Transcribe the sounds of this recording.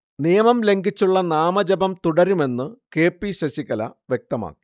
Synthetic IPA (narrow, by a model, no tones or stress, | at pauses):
nijɐmɐmle̞ŋɡit͡ɕːuɭːɐnaːmɐd͡ʑɐbɐmt̪uɽɐɾume̞nːɨke̞ːpːiɕɐɕiɣɐlɐ̰ʋjek̚t̪ɐma̰ːkːi̥